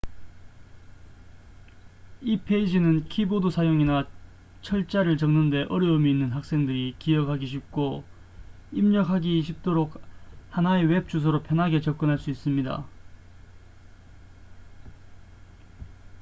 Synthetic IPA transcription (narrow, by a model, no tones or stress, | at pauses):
ipʰeid͡ʑinɯnkʰibodosʰajoŋina | t͡ɕʰʌɭt͡ɕ͈aɾɯɭt͡ɕʌŋnɯnde̞ʔʌɾjʌumiːnːɯnɦak̚s͈e̞ŋdɯɾikijʌkʰaɡiɕʰip̚k͈o | imɲʌkʰaɡiɕʰip̚t͈oɾok̚hanaewe̞p̚t͡ɕ͈us̬ʰʌɾopʰjʌnɦaɡe̞t͡ɕʌk͈ɯnɦaɭs͈uis͈ɯmɲida̰